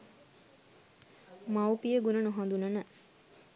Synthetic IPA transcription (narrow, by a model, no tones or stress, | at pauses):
mawpijəɡunənuɦãnd̪unənə